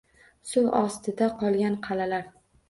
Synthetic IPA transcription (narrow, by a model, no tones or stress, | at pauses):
sʊɒst̪ʰɪd̪aqʰɒlˠɡʲanqʰɑlalaɾ